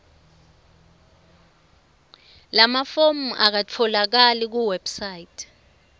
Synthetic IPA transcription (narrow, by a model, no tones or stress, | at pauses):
lamafomuʔak̬at͡fʰɔlak̬alik̬uwɛb̥sajitʰ